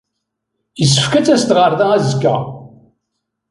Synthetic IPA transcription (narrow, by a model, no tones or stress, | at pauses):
jəsə̥fkæt͡sæst̪ʁəɾˤðaæzəkːæ̰